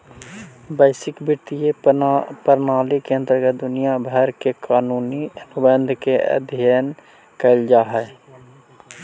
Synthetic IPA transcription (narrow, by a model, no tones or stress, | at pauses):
bəɪsɪkbɪt̪ijepəɾnaːlikeə̃nt̪əɾɡət̪̚d̪ʊnijabʱɛɛɾkekaːnuːniənʊbənd̪ʱkeə̰d̪ʱjəːn | kəɪld͡ʒaɦɛː